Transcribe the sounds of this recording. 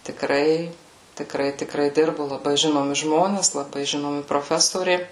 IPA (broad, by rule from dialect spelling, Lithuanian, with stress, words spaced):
tʲɪˈkrɐɪ tʲɪˈkrɐɪ tʲɪˈkrɐɪ ˈdʲɪrbʊ lˠɐˈbɐɪ ˈʒʲɪnoːmʲɪ ˈʒmoːnʲɛs lˠɐˈbɐɪ ˈʒʲɪnoːmʲɪ proːˈfʲæːsoːrʲɛɪ